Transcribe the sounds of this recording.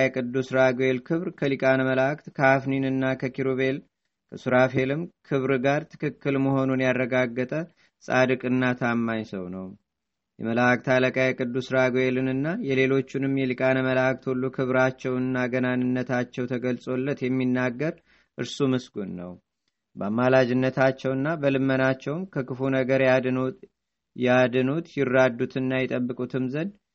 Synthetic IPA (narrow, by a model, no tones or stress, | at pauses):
jkʼɨd̪ːusɾaɡelkʰɨβɾkʰəlikʼanəməlakt̪kʰəafninɨnːakʰəkʰiɾoβe̞l | kʰəsuɾafe̞lɨmkʰɨβɾɡaɾt̪ʰɨ̥kʰɨkːɨlməho̞nunjarːəɡaɡːət̪ʼə | sʼad̪ɨkʼɨnːat̪ʰamːaɲsəwnəw | jɛ̰məlak̚t̪ʰaləkʼajkʼɨd̪ːusɾaɡelɨnɨnːajɛle̞lo̞t͡ʃːunɨmjɛlɨkʼanəməlak̚ʼt̪ʰolːukʰɨβɾat͡ʃːɛwnɨnːaɡənanɨnːət̪ʰat͡ʃːɛwt̪ʰəɡəlsʼo̞lːət̪jɛmːinːaɡːəɾ | ʔɨɾsumɨsɡunːə̰w | bəamːalad͡ʒɪnːət̪ʰat͡ʃːɛwɨnːabəlɨmːənat͡ʃːɛwmkʰəkɨfunəɡəɾ | jad̪ɨnut̪jɪrːad̪ːut̪ʰɨnːajɛt̪ʼəbːɨkʼut̪ʰɨmzən